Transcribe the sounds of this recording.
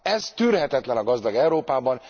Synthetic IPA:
ɛz̥t̪yːrɦɛt̪ɛt̪lɛnɒɡɒzd̪ɒɡɛuɾoːpaːbɒn

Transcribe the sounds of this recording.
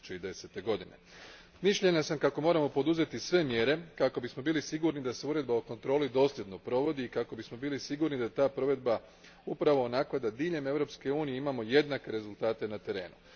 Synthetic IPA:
t͡ʃeid̪e̞set̪e̞ɡo̞d̪inḛ | miʃʎe̞ɲasamkako̞mo̞ːɾamo̞po̞d̪uze̞t̪isʋe̞mje̞ɾe̞kako̞bismo̞biːlisiɡuɾnid̪ase̞uɾe̞d̪baoko̞nt̪ɾo̞ːlid̪o̞ːslje̞d̪no̞pɾo̞ʋo̞d̪iːkako̞bismo̞biːlisiɡuɾnid̪at̪aːpɾo̞ʋe̞d̪̚ba | upɾaʋo̞ːnaklad̪ad̪iːʎe̞me̞ʋɾo̞pske̞uːnije̞imamo̞je̞d̪nake̞ɾe̞zulˠt̪aːt̪e̞nat̪e̞ɾe̞ːnu

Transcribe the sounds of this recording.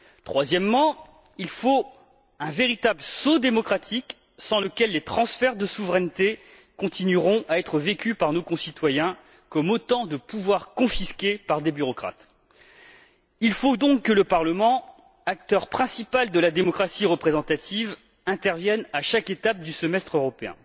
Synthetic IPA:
t̪χwazjɛmːɑ̃ | ilfo | ɛ̃veʁit̪abləsod̪emɔkχat̪ʰik | sɑ̃ləkʲɛlːet̪χɑ̃sfɛʁd̪əsuvʁɛnt̪e | kɔ̃t̪inyʁɔ̃ʔaɛt̪χəvekʲypaʁnokɔ̃sit̪wajɛ̃ | kɔmot̪ɑ̃d̪əpuvwaʁkɔ̃fiskʲepaʁd̪ebyʁɔkχa̰t̪ | ilfod̪ɔ̃kːələpaʁləmɑ̃ | ak̚t̪œʁpχɛ̃sipald̪əlad̪emɔkχasiʁəpχezɑ̃t̪at̪ʰiv | ɛ̃t̪ɛʁvjɛnaʃaket̪ap̚d̪ysəmɛst̪χøʁɔpeɛ̰̃

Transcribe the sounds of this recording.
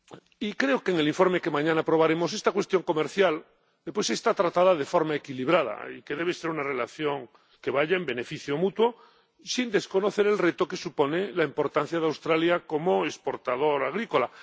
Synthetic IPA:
ikɾeokeeŋeliɱfo̞ɾmeke̞mãɲãnapɾo̞βaɾe̞mo̞se̞st̪akwe̞st̪jo̞ŋko̞meɾθjal | d̪epwesest̪at̪ɾat̪aðað̞e̞fo̞ɾmaekiliβɾað̞a̰ḭke̞ðeβese̞ɾunare̞laθjo̞ŋ | keβaʎaembe̞ne̞fiθjomut̪wo̞ | sind̪esko̞no̞θe̞ɾe̞lret̪o̞ke̞supo̞nelaimpo̞ɾt̪an̟θjaðeawst̪ɾaljako̞moespo̞ɾt̪að̞o̞ɾaɣ̞ɾiko̞la

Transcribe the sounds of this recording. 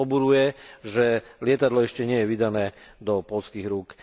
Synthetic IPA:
ɔbuɾujɛʒɛlɪɛt̪ad̪lɔɛʃcɛɲɪɛjɛʋid̪anɛːd̪ɔpɔlskiːɣɾuk

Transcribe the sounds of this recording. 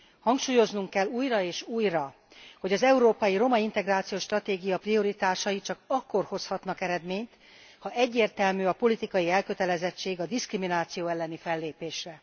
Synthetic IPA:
hɒŋkʃuːjo̞znuŋkːɛlːuːjrɒeːʃuːjrɒ | ho̞ɟɒzɛuɾoːpɒjiɾo̞mɒint̪ɛɡraːt̪sijoːʃt̪rɒt̪eːɡijɒprio̞ɾit̪aːʃɒjit͡ʃɒkɒkːo̞rho̞shɒt̪nɒkɛɾɛd̪meːɲt̪ | hɒʔɛɟːeːrt̪ɛlmyːɒpo̞lit̪ikɒjiɛlkø̞t̪ɛlɛzɛt͡ʃːeːɡɒd̪iskriminaːt̪sijoːɛlːɛnifɛlːeːpeːʃrɛ

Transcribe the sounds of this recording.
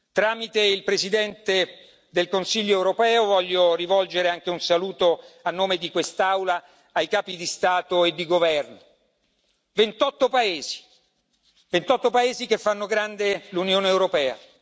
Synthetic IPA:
t̪ɾaːmit̪eilpɾezid̪ɛnt̪e | d̪elkonsiʎːoɛwɾopɛːovɔʎːorivɔld͡ʒeɾeaŋk̟eunsaluːt̪oanːoːmed̪ikwest̪awlaː | jkaːpid̪ist̪aːt̪oed̪ːiɡovɛrno | vent̪ɔt̪ːopaeːzi̥ | vent̪ɔt̪ːopaeːzikefːanːoɡɾand̪elunjoːneːwɾopɛːa̰

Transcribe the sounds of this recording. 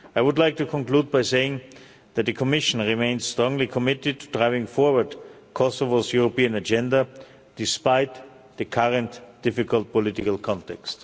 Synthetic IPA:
aɪwʊdlaɪk̚tukʰɔ̃nkluːd̚baɪseɪɪ̃ŋ | ðæt̪̚ðɨkʰɔmɪʃn̩ɹimẽɪ̃nzsstɹɔ̃ŋlikʰɔmɪtɪd̚tʰudɹaɪvɪ̃ŋfɔɹwə˞d | kʰɔsɔvozjuɹopiɨ̃nɨd͡ʒɛ̃ndə | d̥ɪspaɪt | ðɨkʰaɹə̃ntd̥ɪfɪkəlˠt̚pɔlɪtɪkəl̩ˠkʰɑ̃ntɛkst

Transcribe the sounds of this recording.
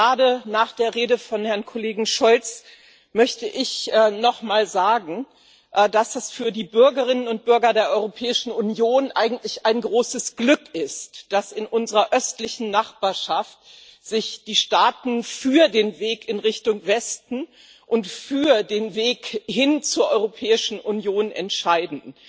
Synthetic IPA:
aːdənaːχd̥eːɐʁeːdəfɔnhɛɐnkʰoleːɡŋ̩ʃɔlt͡s | mœçtəʔɪçʔɛːnɔχmaːlzaːɡŋ̩ | ʔd̥asd̥asfyːɐdiːbʏɐɡəʁ̞ɪnənʊnt̚b̥ʏɐɡɐdeːɐʔɔʏʁopʰɛːɪʃn̩unjoːnʔaɪɡŋ̩tlɪçaɪnɡʁoːsəsɡ̥lʏkɪstd̥asɪnʔʊnzəʁɐʔœstlɪçn̩naχb̥aːɐʃaft̚ | z̥ɪçd̥iːʃtaːtn̩fyːɐdeːnveːkɪnʁɪçtʊŋvɛstn̩ | ʔʊntfyːɐdeːnveːkhɪnt͡suːɐʔɔʏʁopʰɛːɪʃn̩ʔunjoːnʔɛ̰ntʃaɪdn̩

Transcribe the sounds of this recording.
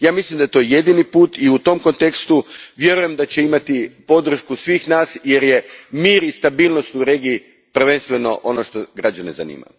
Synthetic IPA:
jaːmislimd̪ajt̪o̞ːje̞d̪inipuːt̪iut̪o̞mko̞nt̪e̞kst̪uʋje̞ɾuje̞md̪at͡ɕeimat̪ipo̞d̪r̩ʃkusʋiːxnaːsje̞ɾje̞miːɾist̪abiːlˠno̞st̪uɾe̞ːɡiː | pɾ̩ʋe̞nst̪ʋe̞no̞̰ʔono̞ʃt̪oɡɾad͡ʑaneza̰nḭːma̰ju

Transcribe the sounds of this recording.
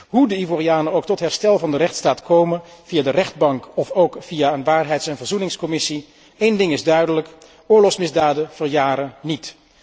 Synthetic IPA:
ɦudəivoːriaːnənowk̚tɔtɦɛɹstɛlˠvɑndərɛχtstaːtkowmənv̥ijaːdərɛχd̚bɑŋkɔfowkfijaːənʋaːrɦɛjtsɛnvəɹzunɪŋskɔmɪsi | ejndɪŋɪzdœɥdələk | ʊːɹlɔχsmɪzdaːdəv̥əɹjaːɾənit

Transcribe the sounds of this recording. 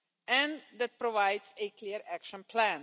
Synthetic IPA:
ɛ̃nðæt̚pɾɔvaɪdsekʰliəɾʔækʃə̃npʰlæ̃n

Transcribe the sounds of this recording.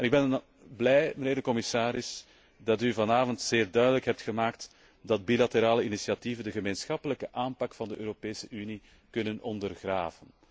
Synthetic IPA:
ɛnɪɡ̚bɛn | blɛjməneːrdəkɔmɪsaːɾɪs | dɑtyvɑnaːvɔntseːrdœɥdələkɦɛp̚txəmaːkt | dɑt̚bilateɾaːləinisiɑtivəndəɣəmeːnsxɑpələkəʔaːmpɑkfɑndəʔøːɾopeːsəʔyni | kɵnənɔndərɣraːvən

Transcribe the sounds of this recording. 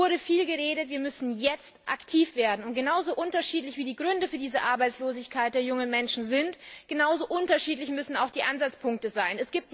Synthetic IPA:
ʊɐɾəfiːlɡəʁ̞eːɾətviːɐmʏsn̩jɛt͡stʔa̰ktʰiːfv̥eːɐdn̩ʊnt̚ɡ̥ənaʊzoːʔʊntɐʃiːtlɪçv̥iːdiːɡʁʏndəfyːɐdiːzəʔaɐbaɪt͡sloːzɪçkʰaɪt̚d̥eːɐjʊŋənmɛnʃn̩zɪntɡ̥ənaʊzoːʔʊntɐʃiːtlɪçmʏsn̩aʊxd̥iːʔanzat͡spʰʊŋk̚təzaɪnɛsɡ̥iːp̚t

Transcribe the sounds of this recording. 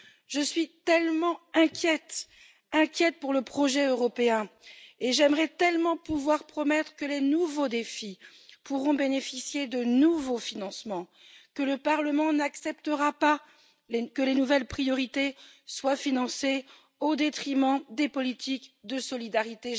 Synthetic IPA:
ʒəsɥit̪ɛlmɑ̃ɛ̃kʲjɛt̪ | ɛ̃kʲjɛt̪̚puʁləpχɔʒɛøʁɔpeɛ̃eʒɛmʁɛt̪ɛlmɑ̃puvwaʁpχɔmɛt̪χkəlenuvod̪efi | puʁɔ̃benefisjed̪ənuvofinɑ̃smɑ̃ | kələpaʁləmɑ̃naksɛpt̪əʁapa | lekəlenuvɛlpχijɔʁit̪eswafinɑ̃se | od̪et̪χimɑ̃d̪epɔlit̪ʰikd̪əsɔlid̪aʁit̪e

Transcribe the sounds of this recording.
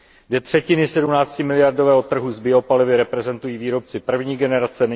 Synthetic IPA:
ɡdɛt̪r̝̥ɛcɪnɪsɛdumnaːt͡scɪmɪlɪjaɾdo̞vɛːɦo̞t̪ːr̩ɦuzbɪo̞palɪvɪɾɛpɾɛzɛnt̪ujiːviːɾo̞p̚t͡sɪpr̩vɲiːɡɛnɛɾat͡sɛnɛ

